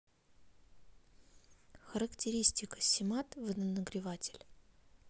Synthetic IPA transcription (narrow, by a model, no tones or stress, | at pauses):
xəɾəktʲɪɾʲisʲtʲɪkə̥sʲɪmat̪vɨnənəɡɾʲɪvatʲɪlʲ